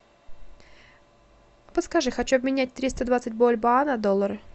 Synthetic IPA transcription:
pət̪skɐʐɨxɐt͡ɕuɐbmʲɪnʲæt̚ʲt̪ɾʲist̪əd̪vat̪sɨt̚ʲbolʲbaanɐd̪olˠːəɾɨ

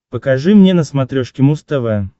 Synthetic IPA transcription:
pəkɐʐɨmnʲenəsmɐt̪ɾʲoʂkʲɪmust̪əvə

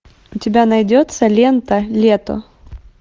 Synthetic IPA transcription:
ʊtʲɪbʲanɐjdʲot̪səlʲent̪əlʲet̪o̰

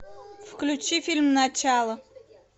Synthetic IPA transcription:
fklʲʊt͡ɕifʲilʲmnɐt͡ɕalˠə

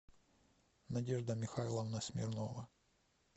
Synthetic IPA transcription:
nɐdʲeʐd̪əmʲɪxajlˠɐvnɐsʲmʲɪ̰rnovɐ

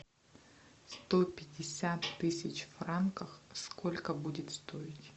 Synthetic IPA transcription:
st̪opʲɪdʲɪsʲat̪ːɨsʲɪt͡ɕfrankəxskʰolʲkəbudʲɪt̪st̪oɪtʲ

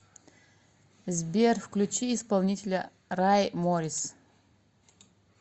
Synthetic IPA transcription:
zbʲerfklʲut͡ʃʰiːspalˠnʲitʲʰelʲɐ | rajmoɾʲis

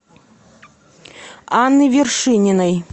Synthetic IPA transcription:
anːɨvʲɪrʂɨnʲɪnɐj

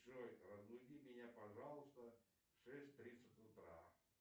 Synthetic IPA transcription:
ʂojrəzmʊjd̪ʲimʲɪnʲapɐʐalˠəst̪ə | ʂɛsʲtʲt̪ɾʲit̪sətʲʊt̪ɾa̰

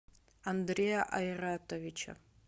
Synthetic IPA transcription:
and̪rejaʔajratʰʼovit͡ʃʰa̰

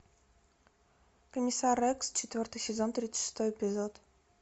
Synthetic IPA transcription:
komʲisarɛkst͡ɕɪt̪vʲort̪ɨsʲezont̪ɾʲit̪sə̥ʃɨ̥st̪ojepʲizot̪

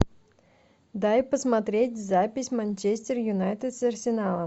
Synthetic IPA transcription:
d̪ajpəsmɐt̪ɾʲetʲzapʲɪsʲmɐnʲt͡ɕesʲtʲɪrjʊnajt̪ʲəd̪sɐrsʲɪnalˠə

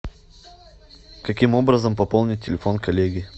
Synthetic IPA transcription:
kɐkʲimobɾəzəmpɐpolˠnʲɪt̚ʲtʲːɪlʲɪfonkɐlʲeɡʲɪ

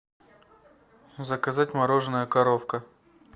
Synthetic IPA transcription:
zəkɐzatʲmɐɾoʐɨnəjəkɐɾofkə

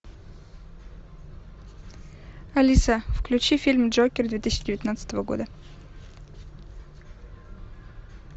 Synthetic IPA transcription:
ɐlʲisəfklʲʉt͡ɕifʲilʲmdʐokʲɪrd̪vʲet̪ɨsʲɪːt͡ɕɪdʲɪvʲɪt̪nat̪sə̥t̪əvəɡo̰d̪ə

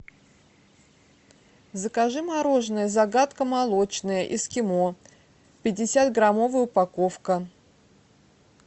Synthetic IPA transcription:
zəkaʐɨmaɾo̞ʐnəjəzɐɡat̪kəmalˠo̞t͡ɕnəjəʔɪskʲɪmo̞ | pʲɪdʲɪsʲat̪ɡɾamo̞vəjəʊpako̞fkə

